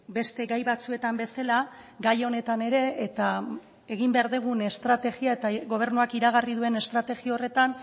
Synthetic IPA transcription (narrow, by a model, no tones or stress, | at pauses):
be̞st̪e̞ɡajβat͡sue̞t̪ambe̞salaɡajo̞ne̞t̪ane̞ɾe̞ːt̪a | e̞ɣimbe̞aɾðeɣ̞une̞st̪ɾat̪e̞ɣiae̞t̪aɣo̞β̞e̞ɾnuakiɾaɣariðue̞ne̞st̪ɾat̪e̞ɣiao̞re̞t̪an